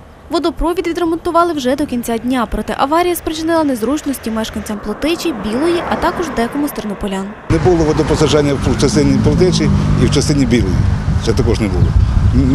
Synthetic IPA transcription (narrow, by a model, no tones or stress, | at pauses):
ʋɔd̪ɔpɾɔʋʲid̪ʋʲid̪ɾemɔnt̪ʊʋɑlˠɪwʒɛd̪ɔkʲinʲt͡sʲadʲnʲapɾɔt̪ɛ̰ʔɐʋɑɾʲijɐspɾet͡ʃʲɪnɪlˠɐnɛzɾut͡ʃnɔsʲtʲimɛʃkɐnʲt͡sʲɐmplˠɔt̪ɪt͡ʃʲibʲilˠɔjiʔɐt̪ɑkɔʒd̪ɛkɔmʊst̪ernɔpɔlʲan | nɛbulˠɔʋɔd̪ɔpɔsɐʒɑnʲːɐwt͡ʃɐst̪ɪnʲiplˠɔt̪ɛt͡ʃiiwt͡ʃɐst̪ɪnʲibʲilˠɔjḭt͡ʃɛt̪ɐkɔʒnɛbulˠɔ̰